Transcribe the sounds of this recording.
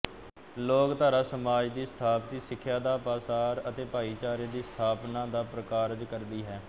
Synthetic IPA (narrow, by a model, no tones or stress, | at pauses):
loːkt̪aːɾaːsəmaːd͡ʒd̪iːst̪ʰaːp̚t̪iːsɪkʰːjaːd̪aːpaːsaːɾət̪eːpaːiːt͡ʃaːɾeːd̪iːst̪ʰaːpnãːd̪aːpɾəkaːɾd͡ʒkəɾd̪iːɦɛː